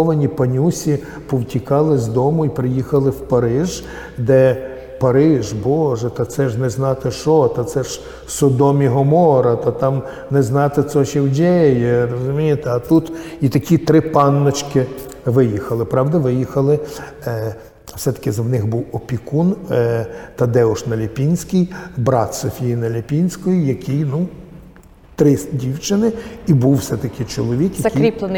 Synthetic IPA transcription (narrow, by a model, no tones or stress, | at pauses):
ɔʋɐnʲipɐnʲusʲi | pɔwtʲikɑlˠɪzʲd̪ɔmʊipɾɪjixɐlˠɪwpɐɾɪʒ | d̪ɛ | pɐɾɪʒbɔʒɛt̪ɐt̪sɛʒnɛznɑt̪ɪʃɔt̪ɐt̪sɛʒ | sɔd̪ɔmʲiɦɔmɔɾɐt̪ɐt̪ɑm | nɛznɑt̪ɪsɔʃɛwdʲɛjɛrɔzʊmʲijet̪eɐt̪ut̪it̪ɐkʲit̪ɾɪpɑnːɔt͡ʃkɪ | ʋɪjixɐlˠɪpɾɑwd̪ɐʋɪjixɐlˠɪ | wsɛt̪ɐ̥kʲɪzɐwnɪxbuwɔpʲikun | t̪ɐd̪ɛʊʃnɐlʲipʲinʲsʲkɪjbɾɑt̪sɔfʲijinɐlʲɐpʲinʲsʲkɔjijɐkʰɪjnu | t̪ɾɪsdʲiwt͡ʃɪnɪibuwːsɛt̪ɐkɪt͡ʃɔlˠɔʋʲikjɐɐkijɾʲip̪ˠn